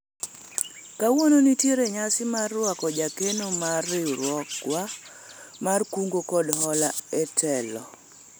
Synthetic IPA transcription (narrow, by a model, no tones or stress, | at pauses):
kawononitjeɾeɲasɪmarːwakɔd͡ʒakenomarːɪɾwɔkwa | markuŋɡokɔdhɔlaɛtʰɛlɔ